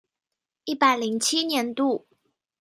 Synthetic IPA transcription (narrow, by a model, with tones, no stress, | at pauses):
i˥˩pa˥˩ɪli˧˥ŋt͡ɕʰi˥njɛ˧˥nt̪u˥˩